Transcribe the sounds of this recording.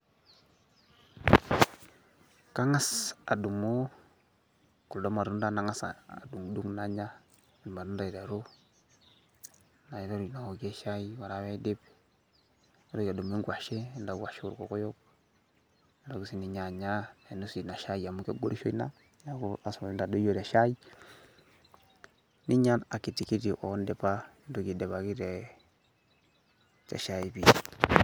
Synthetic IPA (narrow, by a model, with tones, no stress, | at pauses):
ka˦ŋa˦sa˨du˨mo˦ | ku˨ldo˦ma˨ɾu˦nda˦na˨ŋa˦sa̰˨a̰˨du˨ŋdu˦ŋna˦ɲa˦ | i˨n˨ma˨ɾu˦nda˨i˨ɾa˨ɾo˦ | na˨ji˦ɾa˦ɾu˨na˨wo˨ke˦ʃa˦i˦wa˨ɾa˨˦we˦de˦b | a˦ɾo˦ja˨du˨m˦i˦ɡwa˨ʃe˦nda˨ɡa˨ʃe˦ṵ˨ɾko˨ko˦jo˦k | da˨ɡu˨si˨ni˨ɲa˨ɲa˦e˨nu˦si˨na˨ʃa˦jja˨mu˦kḛ˦ɡo˦ɾi˦ʃo̰˦i˦na˦ | ja˨ɡu˦a˨so˨˦nda˨do˦jo˨da˨ʃa˦i˦ | ni˦ɲa˦na˨ki˨ti˨ki˦di˨ʔo̰˨˦nde˨pa˦ | ndo˦ɡi˨de˨βa˨ki˦ɾe˨ | t͡ʃa̰˨ʃa˨i˨bi˨